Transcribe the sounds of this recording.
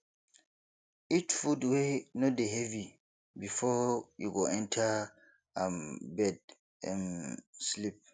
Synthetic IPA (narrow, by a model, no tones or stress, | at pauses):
it͡ʃfudwenodeɦɛvi | bifɔjṵɡoʔɛ̃ntʰa | ãmbɛd̚ | ɛ̰̃nslip̚